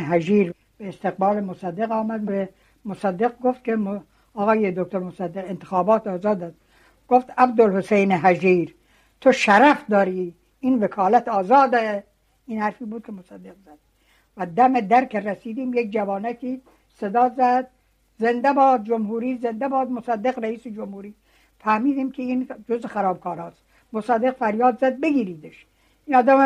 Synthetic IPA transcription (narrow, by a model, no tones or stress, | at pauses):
ɦæd͡ʒiːɾ | b̥eːst̪eɣ̚bɑːlemosæd̪ːeɣɒːmæd̪be | mosæd̪ːeɡɡoft̪̚kʰʲemo | ɒːɣɑːjed̪ok̚ʲt̪ʰoɾmosæd̪ːeɣent̪ʰe̥xɒːbɒːt̪ɒːzɑːd̪æd̪ | ɡ̥oft̪æbd̪olhosejneɦæd͡ʒiːɾ | t̪ʰoʃæɾæfd̪ɒːɾiː | iːnvekʰɑːlæt̪ɒːzɑːd̪e | iːnhæɾfiːbuːd̪̚kʰʲemosæd̪ːeɡzæd̪̥̚ | væd̪æmed̪æɾkʲʰeɾæsiːd̪iːmjek̚d͡ʒævɑːnæt̪ʰiː | sed̪ɑːzæd̪̚ | zend̪æbɑːd̪̚d͡ʒomɦuːɾiːzend̪æbɒːd̪mosæd̪ːeɣɾæiːsed͡ʒomhuːɾiː | fæhmiːd̪iːmkʲʰeind͡ʒozexæɾɒːb̚kʰɒːɾɑːst̪ | mosæd̪eqfæɾjɑːd̪zæd̪̚beɡʲiːɾiːd̪eʃ | ʔiːnɒːd̪æm